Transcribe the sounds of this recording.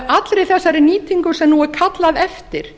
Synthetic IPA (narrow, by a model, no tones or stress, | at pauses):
at̪lɾɪθɛsːaɾɛɾniːt̪iŋkʏsɛmnuɛɾkʰat̪laðɛft̪ɪɾ̥